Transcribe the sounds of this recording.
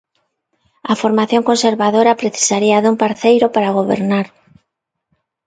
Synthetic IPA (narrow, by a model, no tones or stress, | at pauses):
afoɾmaθjõŋkonseɾβaðoɾapɾeθi̥saɾiaðumpaɾθejɾopaɾaɣ̞oβḛɾnaɾ